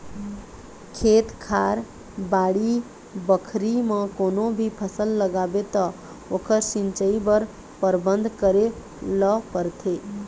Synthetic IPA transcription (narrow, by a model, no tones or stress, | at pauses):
kʰet̪kʰaɾ | baɽi | bəkʰɾimə̃konobʱipʰəsəlːəɡabet̪ɔ | okʰəɾsint͡ʃəibəɾ | pəɾbənd̪ʱkəɾe | ləpəɾt̪ʰe